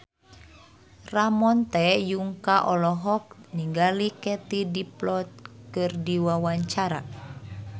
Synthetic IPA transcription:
ramɔnt̪ɛjuŋkaʔɔlɔɦɔk̚niŋɡalikɛt̪idiplɔt̪̚kɨrdiwawaɲt͡ʃaɾa̰

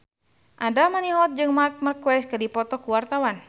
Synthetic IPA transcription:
ʔadamaniɦɔt̪̚d͡ʒɨŋmark̚markwɛskɨrdipɔt̪ɔkuwart̪awan

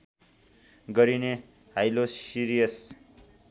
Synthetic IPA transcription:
ɡʌɾine | ɦajlosiɾijʌs

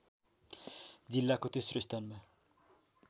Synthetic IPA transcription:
d͡zilːakot̪esrost̪ʰanma

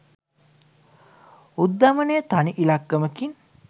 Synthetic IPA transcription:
ud̪ːamənejət̪aniʔilakːəməkin

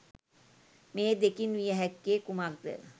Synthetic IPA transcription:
meːd̪ekinʋijəɦɛkːeːkumaɡ̚d̪ə̰

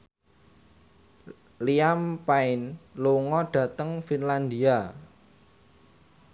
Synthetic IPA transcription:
liampaɪnluŋɔɖ̥ä̤t̪əŋfinland̪ia

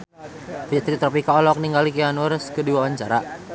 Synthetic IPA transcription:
fit̪ɾit̪ɾɔpikaɔlɔk̚niŋɡalikianərskədiwawaɲt͡ʃaɾa

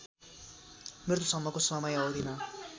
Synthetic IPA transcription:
mert̪osʌmːʌkosʌmʌjʌwd̪inʌ

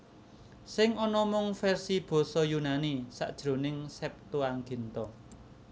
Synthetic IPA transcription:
sɪŋɔnɔmɔŋfɛrsib̥ɔ̤sɔjunanisa̰ʔd̥ʒ̥ɾo̤nɪŋsɛp̚t̪oaŋɡe̤nt̪ɔ

